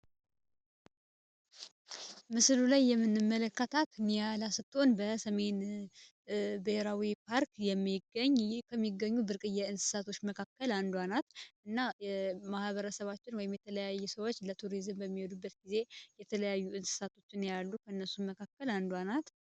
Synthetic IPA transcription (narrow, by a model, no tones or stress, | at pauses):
mɨslulajːɛmːɨnːɨmːələkːət̪ʰat̪ɨnijalasɨt̪ʰʼːo̞nbəsəme̞n | beheɾawipʰaɾkjɛmːiɡːəɲːkʰəmːiɡːəɲːubɨɾkʼɨjːɛɨnsɨ̥sat̪ʰo̞t͡ʃːməkʰakːəland̪wanat̪ʔɨnːamahβəɾəsəβat͡ʃːɪnwɔjɪmjɛt̪ʰələjajːusəwo̞t͡ʃːlət̪ʰuɾizɨmbəmːihod̪ubːət̪̚ɡize̞jɛt̪ʰələjajːuɨnsɨ̥sat̪ʰo̞t͡ʃːɨnjalːukʰəɨnːəsumːəkʰakːəland̪wanat̪